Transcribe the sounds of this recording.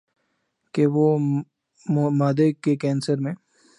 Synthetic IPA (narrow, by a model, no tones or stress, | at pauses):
keʋo | maːd̪ekːekɛːnsəɾmẽː